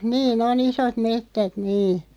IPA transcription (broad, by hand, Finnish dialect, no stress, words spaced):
niːn on isot metːæt niː